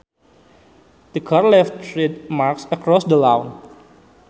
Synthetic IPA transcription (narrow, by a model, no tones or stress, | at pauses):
d̪̥əkʰaɹlɛftɾit̪̚maɾksəkɾɔsdəlawn